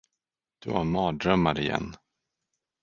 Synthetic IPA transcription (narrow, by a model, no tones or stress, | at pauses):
d̪̥ɵhaɾmɑːɖ̪ɾœmːaɾɪjɛ̰nː